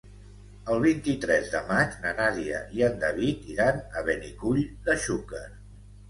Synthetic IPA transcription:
əlˠβ̞int̪it̪ɾɛzðəmat͡ʃnənaziə̰ʔiənd̪əβit̪iɾanəβenikuʎd̪əʃukəɾ

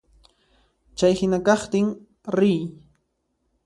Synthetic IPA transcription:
t͡ʃajhɪnakɑχt̪ɪŋ | ɾɪj

